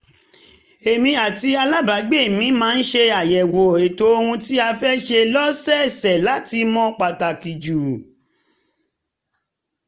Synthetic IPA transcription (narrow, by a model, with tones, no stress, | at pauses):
e˨mĩ˧a˨ti˧a˧la˦ba˨˦ɡ͡be˦˨mĩ˨˦mãː˨˦n̩˦ʃe˧a˨jɛ˨wo˨e˨to˨o˧hũ˧ti˦a˧fɛ˦ʃe˧lɔ˦sɛ˦˨sɛ˨la˨˦ti˧mɔ̃˦k͡pa˨ta˨ki˨d͡ʒu˨